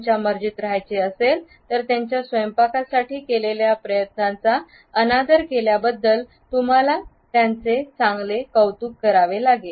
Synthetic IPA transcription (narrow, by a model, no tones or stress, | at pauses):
t͡ɕjaməɾd͡ʑit̪ɾəɦajt͡seəsel | t̪əɾt̪jaɲt͡ɕjasʋəjmpakasaʈiːkeleljapɾəjət̪nãt͡sa | ənad̪əɾkeljabəd̪ːəl | t̪um̤ala | t̪jant͡set͡sãŋɡlekəwt̪uːkːəɾaʋelaɡe